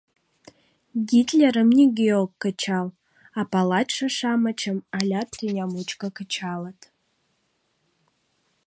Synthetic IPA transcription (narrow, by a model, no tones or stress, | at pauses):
ɡʲitʰʼlʲeɾɨmniɡʲijolkkːɨt͡ʃʰal | apʰalatʂaʂamat͡ʃʰamalʲatʰinʲamut͡ʃʼkʼakʰɨt͡ʃʰalatʰʼ